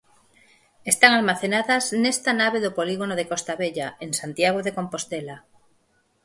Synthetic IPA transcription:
est̪aŋalmaθenaðaznest̪anaβ̞eðopoliɣ̞onoð̞ekost̪aβeʎaensant̪jaɣ̞oðeko̞mpo̞st̪ela

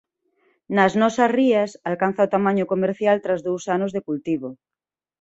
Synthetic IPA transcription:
nɐznɔsɐsriɐsalkanθaot̪amãɲokomeɾθjalt̪ɾazðowsanozðekult̪iβo

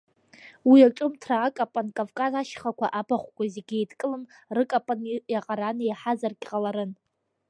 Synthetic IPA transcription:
wiaʈ͡ʂʼʊmtʰraːkʼapʼankʼavkʼazaʃχakʷʰaʔabaχʷkʷʼazeɡʲejdkʼɨlɨm | rɨkʼapʼanjaqʼaɾanɨjħazarɡʲqʼalaɾɨn

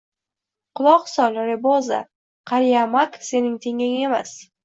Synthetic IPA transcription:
qʰʊlˠɒqsɒlaɾɪboza̰ | qʰɑɾijamakse̞nɪŋt̪ʰeŋaŋemas

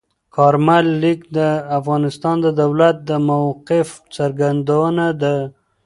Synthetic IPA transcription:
kʰɑɾmalːikd̪əafɣɑnɪst̪ɑnd̪əd̪awlat̪̚d̪əmawqɪft͡saɾɡand̪awənad̪ə

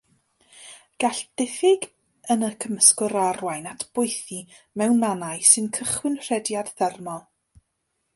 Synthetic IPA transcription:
ɡ̥aɬd̥ɪθɪɡ | ənəkʰəməskʊɾarwajnatʰb̥ʊjθi | mɛwnːanajsɨnkʰəχwɪnr̥ɛdjadðɛrmɔlˠ

